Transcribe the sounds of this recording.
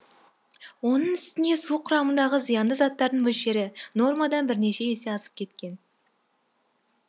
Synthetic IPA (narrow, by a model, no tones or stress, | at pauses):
wo̞nəɴʏst̪ɪne̞suqʰʊɾɑmənd̪ɑʁəzijɑnd̪əzɑt̪ːɑɾd̪əɴbɵlʃe̞ɾɪno̞rmɑd̪ɑnbɪɾne̞ʃe̞ese̞ɑsə̥p̚kʲʰe̞t̪kʲe̞n